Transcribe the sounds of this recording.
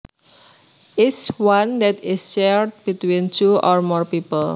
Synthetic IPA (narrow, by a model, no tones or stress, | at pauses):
ɪswãnd̪ɛtɪsʃɛɹd̚bit̪wĩnt͡ʃuʔɔɹmɔɹpipəl